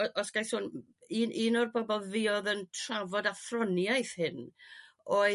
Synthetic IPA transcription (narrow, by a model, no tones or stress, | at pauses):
ɔsɡ̥ajθʊn | inʔiːnɔrbɔbɔlˠvɪɔðəntʰravɔdaθrɔnjajθhɪn | o